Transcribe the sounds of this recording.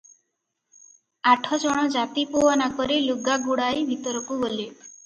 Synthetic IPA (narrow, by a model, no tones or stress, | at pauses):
aʈʰɔd͡ʒɔɽ̃ɔd͡ʒat̪ipuɔnakɔɾiluɡaɡuɽajbʱit̪ɔɾɔkubole